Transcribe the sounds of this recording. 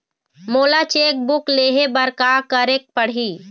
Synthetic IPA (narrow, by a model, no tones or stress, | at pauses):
moːlat͡ʃeːk̚bʊkleːɦebəɾkakəɾek̚pəɽ̤ɦi